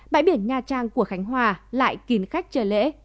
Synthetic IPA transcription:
ɓa̰ː˧˨jɓi˧˩ənɲaː˧t͡ɕaː˧ŋku˧˩əxa˨˦jŋ̟ɦwaː˧˩la̰ː˧˨jki˨˦nxa˦˥jk̟̚t͡ɕəː˧˩lḛ˧˥

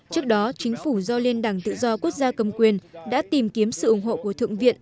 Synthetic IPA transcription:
t͡ɕɨ˦˥ək̚ɗɔ˨˦t͡ɕï˨˦ŋ̟fu˧˩zɔ˧li˧nɗaː˧˩ŋt̪ɨ̰˧˨zɔ˧ku˦˥ək̚zaː˧kə˧mkwi˨˩ənɗa̰ː˧˥t̪i˨˩mki˨˦əmsɨ̰˧˨ʔʊ˧˩ŋ͡mɦho̰˧˨ku˧˩ət̪ʰɨ̰˧˨əŋvḭ˧˨ən

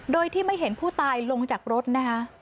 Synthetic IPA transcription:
doː˧jt̪ʰiː˥˩ma˥˩jɦe˩˦npʰuː˥˩t̪aː˧jlo˧ŋt͡ɕaː˨˩k̚ɾo˦˥t̪̚na˦˥kʰa˦˥ʔ

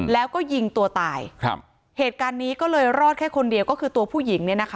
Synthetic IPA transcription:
lɛː˦˥wkɔː˥˩ji˧ŋt̪u˧ɐt̪aː˨˩j̰ʰ | heː˨˩t̪̚kaː˧nːiː˦˥kɔː˥˩lɤː˧jɾɔː˥˩kʰɛː˥˩kʰo˧ndi˧əwkɔː˥˩kʰɯː˧t̪u˧ɐpʰuː˥˩ji˩˦ŋni˥˩ɐna˦˥kʰa˦˥

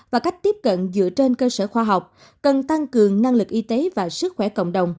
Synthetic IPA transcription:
vaː˨˩ka˦˥jk̟̚t̪i˦˥p̚kə̰˧˨nzɨ̰˧˥ət͡ɕe˧nkəː˧səː˧˩xwaː˧ɦa˨˩wk͡p̚ | kə˨˩nt̪a˧ŋkɨ˨˩əŋna˧ŋlɨ˨˩k̚ʔi˧t̪e˨˦vaː˨˩sɨ˦˥k̚xwɛ˧˩kə̰˧˨wŋ͡mɗə˨˩wŋ͡m

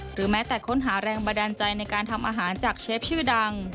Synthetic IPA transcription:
ɾɯː˩˦mɛː˦˥t̪ɛː˨˩kʰo˦˥nɦaː˩˦ɾɛː˧ŋba˧nda˧nt͡ɕa˧jna˧jkaː˧nt̪ʰa˧mʔaː˧ɦaː˩˦nt͡ɕaː˨˩k̚t͡ɕʰeː˦˥p̚t͡ɕʰɯː˥˩da˧ŋ

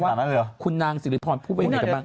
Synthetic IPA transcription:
waː˥˨˩na˦˥˧kʰu˧nːaː˧ŋsiː˨˦li˦˥pʰɔː˧npʰuː˥˩bkbaː˥˩

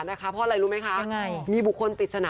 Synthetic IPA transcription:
na˦˥kʰa˦˥pʰɔ˧˥ʔa˧ɾa˧jɾuː˦˥ma˦˥jkʰa˦˥ʔŋa˧jmiː˧bu˨˩kʰːo˧npi˨˩t̪̚sa˧naː˨˦

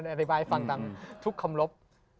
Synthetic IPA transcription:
nʔa˧t̪ʰi˦baː˧jfa˧ŋt̪a˧˩ŋt̪ʰu˦˥kʰːa˧mlo˦˥p̚

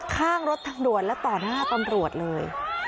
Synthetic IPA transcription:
kʰaː˥˩ŋɾo˦˥t̪ʰːaː˧ŋdu˨˩ət̪̚lɛ˦˥t̪ɔː˨˩naː˥˩t̪a˧mɾu˨˩ə˩t̪̚lɤː˧j

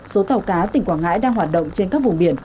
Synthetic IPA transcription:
so˨˦t̪ʰa˨˧˩wkaː˨˦t̪ï˨˩ŋ̟kwaː˧˩nŋa̰ː˧˥jɗaː˧ŋɦwaː˨˩t̚ɗə̰˧˨wŋ͡mt͡ɕe˧nkaː˦˥k̚vʊ˨˩ŋ͡mɓi˧˩ən

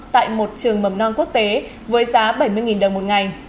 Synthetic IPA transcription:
t̪a̰ː˧˨jmo˨˩t̚t͡ɕɨ˨˩əŋmə˧˩mnɔ˧nku˦˥ək̚t̪e˨˦ | vəː˨˦jzaː˨˦ɓə˧˩jmɨ˧əjŋi˨˩nɗə˨˩wŋ͡mmo˨˩t̚ŋa˨˩j

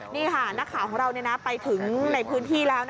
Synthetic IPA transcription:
niː˥˩kʰa˥˩na˦˥kʰːaː˨˩˦kʰɔː˩˦ŋɾa˧wni˥˩na˦˥pa˧jt̪ʰɯ˩˦ŋna˧jpʰɯː˦˥nt̪ʰiː˥˩lɛː˦˥wna˥˩

